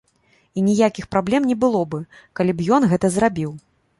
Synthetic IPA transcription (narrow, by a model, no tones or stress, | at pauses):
inʲijakʲixpɾablʲɛmnʲɛbɨlˠɔbɨkalʲibjɔnɣɛt̪ɐzrabʲiw